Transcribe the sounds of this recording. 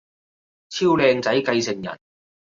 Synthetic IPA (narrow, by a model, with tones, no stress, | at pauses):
t͡sʰiː˥wlɛː˧ŋt͡sɐ˨˥jkɐ˧jsɪ˨˩ŋjɐ̰˨˩n